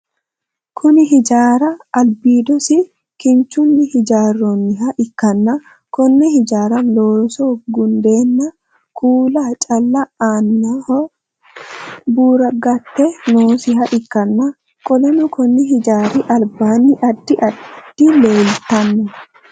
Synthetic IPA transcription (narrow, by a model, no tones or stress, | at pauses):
kʰʊnɪɦɪd͡ʒaːɾɐːlbiːd̪ɔsɪ | kɪnt͡ʃːʊnːɪhɪd͡ʒaːrːɔnːɪɦɐʔɪkːɐnːɐ | kɔnːɛhɪd͡ʒaːɾɐloːsɔɡʊnd̪eːnːɐ | kʰuːlɐt͡ʃʼɐlːɐaːnːɐhɔ | buːɾɐɡɐt̪ːɛnoːsɪɦɐʔɪkːɐnːɐ | kʼɔlɛnɔkɔnːɛɦɪd͡ʒaːɾɪʔɐlbaːnːɪʔɐd̪ːɪʔɐdd̪̥ːɪleːlt̪ɐnːɔ